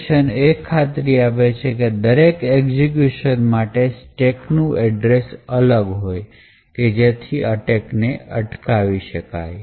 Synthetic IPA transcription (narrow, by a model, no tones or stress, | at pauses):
ʃənekʰːat̪ɾiaʋet͡ʃʰeked̪əɾekekzik̬juʃənmaʈesʈeknũʔɛɖɾesələɡɦoj | ked͡ʒet̪ʰiʔaʈekneəʈkaʋiʃəka̰j